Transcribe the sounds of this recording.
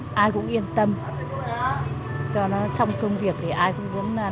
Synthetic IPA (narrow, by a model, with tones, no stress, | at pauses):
ʔaː˧jkʊ̰˧˥ŋ͡mʔi˧ənt̪ə˧m | t͡ɕɔ˧nɔ˨˦sa˧wŋ͡mt̪ʰɨ˧ŋvi˨˩ək̚t̪ʰi˨˩ʔaː˧jkʊ̰˧˥ŋ͡mi˨˦ənː˨˩